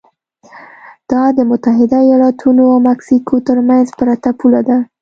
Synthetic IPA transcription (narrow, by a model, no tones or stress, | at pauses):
d̪̥ɑd̪əmʊt̪aɦɪd̪aijɑlɑt̪ʰunoawmaksikʰot̪əɾmanzpəɾat̪apulad̪a